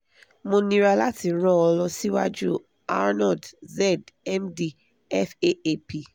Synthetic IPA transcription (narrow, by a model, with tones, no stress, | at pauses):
mõ˧nĩ˧ɾa˧la˦ti˨ɾ̃ɔ̃˦ɔ˧lɔ˧si˦wa̰˦d͡ʒu˦ | a̰˦nɔ˦˨dzɛ˦˨dɛ˦mdi˧ | ɛ˦fe˦e˦˨pi˨